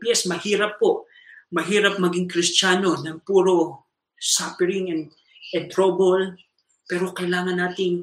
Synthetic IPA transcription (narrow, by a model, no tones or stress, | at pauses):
pjɛsmɐhiːɾɐpːo̞ʔ | mɐɦiːɾɐp̚mɐɡiŋkɾɪst͡ʃaːno̞nɐŋpuːɾo̞ | sapɛɾiŋɛnd̪̚ | ɛnt̪ɾobol | pɛːɾo̞kɐɪlaːŋɐnːaːt̪ɪŋ